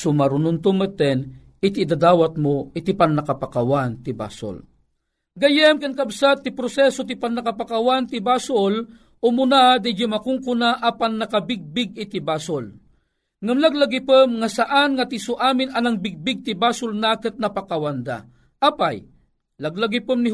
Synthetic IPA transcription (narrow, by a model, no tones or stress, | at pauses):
sʊmaɾʊnʊnt̪ʊmət̪ɛn | ɪt̪id̪ad̪aːwat̪̚moit̪ipanːakapakawant̪iba̰so̰l | ɡajəmkankabsat̪ːɪpɾosɛsot̪̬ipanːakapakawant̪ibasʊl | ʊmʊnad̪id͡ʒimakʊŋkʊnaʔapanːakabɪɡ̚bɪɡ̚ɪt̪ibasʊl | ŋamlaɡlaɡipəmŋasaʔanŋat̪isʊʔaːmɪnanaŋbɪɡ̚bɪɡ̚t̪ibaːsʊlnakɨt̪̚napakawand̪a̰ | ʔapaj | laɡlaɡipəmni